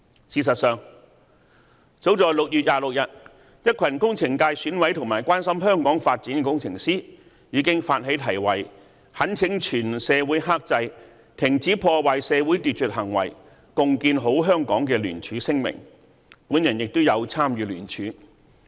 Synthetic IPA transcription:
siː˧˩sɐ˨t̚sœː˨ŋ | t͡so˨˥wt͡sɔː˨˩jlʊ˨k̚jyː˨t̚jaː˨˧lʊ˨k̚jɐ˨t̚ | jɐ˥t̚kʰɐ˨˩nkʊ˥ŋt͡sʰɪ˨˩ŋkaː˧jsyː˨˥nwɐ˨˥jt̪ʰʊ˨˩ŋmaː˨˩jkwaː˥nsɐ˥mɦœː˥ŋkɔː˨˥ŋfaː˧t̚t͡siː˨˥nkɛ˧kʊ˥ŋt͡sʰɪ̰˨˩ŋsiː˥ | jiː˨˧˥kɪ˥ŋfaː˧t̚ɦe˨˥jt̪ʰɐ˨˩jwɐ˨˩j | hɐ˨˥nt͡sʰɪ˨˥ŋt͡ʃʰyː˨˩nsɛː˨˧wuː˨˥jɦaː˥k̚t͡sɐ˧j | t̪ʰɪ˨˩ŋt͡siː˨˥pʰɔː˧waː˨jsɛː˨˧wu˨˥jt̪yː˨t̚t͡ʃɵ˨t̚ɦɐ˨˩ŋwɐ̰˨˩j | kʊ˨ŋkiː˧nɦo˨˥wɦœː˥ŋkɔː˨˥ŋkɛː˧lyː˨˩nt͡ʃʰyː˨˥sɪ˥ŋmɪ̰˨˩ŋ | puː˨˥njɐ˨˩njɪ˨k̚t̪ʊ˥wjɐ˨˧wt͡sʰaː˥mjyː˨˧lyː˨˩nt͡ʃʰyː˨˥

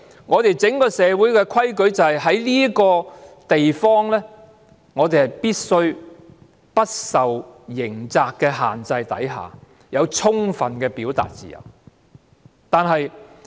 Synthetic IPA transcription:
ŋɔː˨˧t̪e˨jt͡sɪ˨˥ŋkɔː˧sɛː˨˧wuː˨˥jkɛː˧kʰɐ˥jkɵ˨˥ɥt͡sɐ˨˩whɐ˨˩jɦɐ˨˥jliː˥kɔː˧t̪e˨jfɔː˥ŋlɛː˥ | ŋɔː˨˧t̪e˨jhjpiː˥t̚sɵ˥ɥ | pɐ˥t̚sɐ˨wjɪ˨˩ŋt͡saː˨kːɛː˧ɦa̰ː˨nt͡sɐ˧jt̪ɐ̰˨˥jɦa̰ː˨ | jɐ˨˧wt͡ʃʰʊ˥ŋfɐ˨nkɛː˧piː˨˥wt̪a̰ː˨t̚t͡sḭː˨jɐ̰˨˩w | t̪aː˨nɦɐ˨j

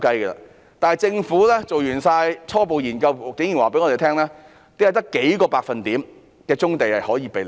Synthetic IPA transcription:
kɐ˥jɡɛ˧a̰ː˧ | t̪aː˨nɦɐ˨jt͡sɪ˧ŋfuː˨˥lɛː˥t͡so˨wjyː˨˩nsaː˧jt͡sʰɔː˥p̬o˨wjiː˨˩nkɐ˧wkɪ˨˥ŋjiː˨˩nwaː˨pe˨˥jŋɔː˧t̪e˨t̪ʰɛː˥ŋlɛː˥ | t̪e˨˥jɐ˨˧wt̪ɐ˥kːe˨˥jkɔː˧paː˧k̚fɐ˨nt̪iː˨˥m | kɛː˧t͡sʊ˥ŋt̪e˨jhɐ˨˩jhɔː˨˥jiː˨˧˥pe˨

